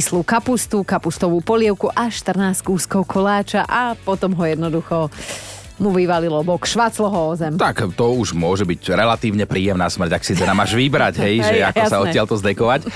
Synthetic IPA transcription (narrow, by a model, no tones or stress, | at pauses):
isluːkapust̪ukapust̪ɔʋuːpɔlɪɛʊkuʔaʃt̪r̩naːst͡skuːskɔʊkʰɔlaːt͡ʃaʔapɔt̪ɔmɦɔjɛd̪nɔd̪uxɔ | muʋiʋalilɔbɔkʃʋat͡slɔɦɔɔzɛmt̪akt̪ɔuʒmʊɔʒɛbicɾɛlat̪iːʊɲɛpɾiːjɛmnaːsmr̩caksit̪ɔnamaːʒʋibɾacɦɛjʒɛa̰ksaɔɪalt̪ɔzd̪ɛkɔʋac